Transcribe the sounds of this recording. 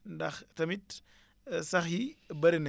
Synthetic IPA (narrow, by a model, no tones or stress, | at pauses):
ndɐxtɐmit | sɐxibɐɾinɛ